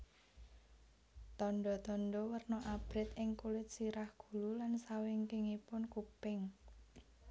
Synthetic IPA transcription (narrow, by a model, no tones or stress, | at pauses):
t̪ɔnɖɔt̪ɔnɖɔwərnɔʔab̥ɾɪt̪ɪŋkulɪt̪̚siɾahɡ̥ṳlulansawɪŋkɪŋipʊnkupɪŋ